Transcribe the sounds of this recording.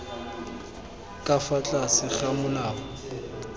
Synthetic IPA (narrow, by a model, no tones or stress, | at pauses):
kʼafat͡ɬʼasɪχamʊlaːɔ